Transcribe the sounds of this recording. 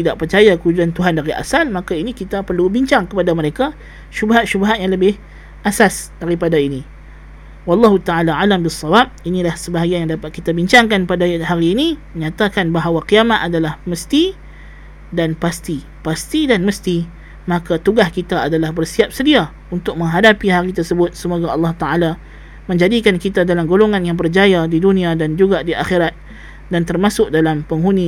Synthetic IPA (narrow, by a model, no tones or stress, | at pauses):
t̪idaʔ̚pərt͡ʃajakəɦud͡ʒuant̪uɦandaɾiʔa̰salmakainikit̪apərlubiɲt͡ʃaŋkəpadaməɾeka | ʃubaɦat̪̚ʃubaɦat̪̚jaŋləbɪh | ʔasasdaɾipadaini | wɑlːɑɦut̪aalaalambisˤːɑwab̚inĩlahsəbaɦaɡianjaŋdapat̪̚kit̪abiɲt͡ʃaŋkanpadaɦaɾiːniməɲat̪akanbaɦawakiamat̪adalahməst̪i | danpast̪i | past̪idanməst̪i | makat̪uɡahkit̪aːdalahbərsiap̚sədia | unt̪ʊk̚mə̃ŋɦadapiɦaɾit̪ərsəbʊt̪̚səmoɡaɑlːɑht̪aʔala | mə̃ɲd͡ʒadikankit̪adalamɡoloŋanjaŋbərd͡ʒajadidunĩadand͡ʒuɡadiʔaxeɾat̪̚ | dant̪ərmasʊk̚dalampəŋɦunĩ